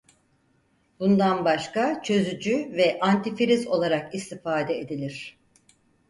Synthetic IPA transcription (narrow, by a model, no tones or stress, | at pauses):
bund̪anbaʃkat͡ʃʰø̞zyd͡ʒyvɛʔant̪ifiɾizo̞lˠaɾakist̪ifaːd̪ɛed̪ilʲiɾ̥